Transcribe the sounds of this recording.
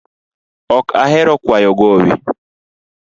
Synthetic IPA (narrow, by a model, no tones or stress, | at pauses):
ɔkʰa̰ɦɛɾɔkwajɔɡowḭ